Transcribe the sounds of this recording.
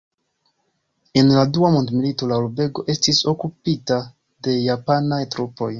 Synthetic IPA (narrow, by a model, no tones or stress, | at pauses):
e̞nladuamondmilito̞laulbe̞ɡo̞ʔe̞stiso̞kupita | de̞japanajtɾupo̞j